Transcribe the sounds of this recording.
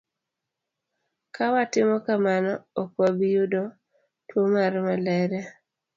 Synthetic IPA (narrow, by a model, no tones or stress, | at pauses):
kawatɪmɔkamanɔokwabijudɔ | twomaɾmalɛɾɛ